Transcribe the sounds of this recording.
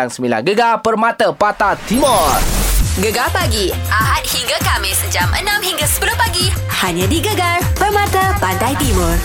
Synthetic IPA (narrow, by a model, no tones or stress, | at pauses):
aŋsəmila̰hɡəɡapərmat̪əpat̪at̪imɔrɡəɡalpaɡiʔaɦat̪̚hiŋɡakamɪsəd͡ʒamʔə̰nãmhiŋɡasəpəlʊpaɡi | haɲãdiɡəɡarpərmãt̪əpandajt̪imɔr